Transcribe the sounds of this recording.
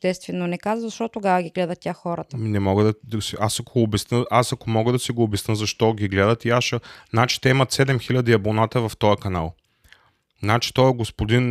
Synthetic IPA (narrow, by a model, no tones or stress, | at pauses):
t̪ɛst̪vɛnːonɛkazəzɐʃt̪ɔt̪oɡavəɡʲiɡlɛd̪ɐt̪̚tʲaxxɔɾət̪ənɛmɔɡəd̪d̪ɐsiʔasɐkoːbɛsnəʔasɐkomɔɡəd̪ɐsiɡoːbɛsnəzɐʃt̪ɔɡʲiɡlɛd̪ət̪iaʃnat͡ʃi̥t̪ɛimɐt̪sɛd̪ɛmxilʲɐd̪iɐbonat̪əvɐft̪ɔjɐkɐnalˠ | nat͡ʃi̥t̪ɔɛɡospod̪in